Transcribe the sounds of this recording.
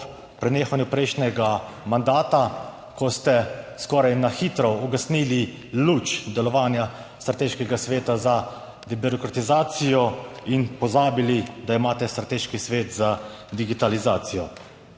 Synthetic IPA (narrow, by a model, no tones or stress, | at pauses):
pɾɛneːxanjupɾɛjʃnɛɡa | mand̪aːt̪a | kɔst̪ɛskɔːɾajnaxit̪ɾɔɔɡasniːli | luːt͡ʃd̪ɛlɔʋaːnja | st̪ɾat̪eːʃkɛɡasʋeːt̪aza | d̪ɛbiɾɔkɾat̪izaːt̪sijɔinpɔzaːbilid̪aimaːt̪ɛst̪ɾat̪eːʃkisʋeːt̪zad̪iɡit̪alizaːt̪sijɔ